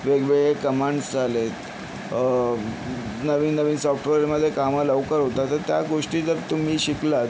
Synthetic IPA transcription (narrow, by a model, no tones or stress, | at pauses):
ʋeɡʋeɭekəmãɳɖsd͡zʱalet̪ | nəʋiːnːəʋiːnsɔfʈʋeɾɾməd̪ʱːjekamələʋkəɾɦot̪at̪əɾt̪jaɡoʂʈiːd͡zəɾt̪um̤iːɕiklat̪